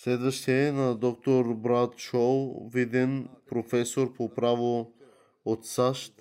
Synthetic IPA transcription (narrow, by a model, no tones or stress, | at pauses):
slɛd̪vəʃt̪iɛnad̪ɔk̚t̪oɾbɾat̪ʃɔvid̪ɛnpɾofɛsoɾpopɾavo | ot̪saʃt̪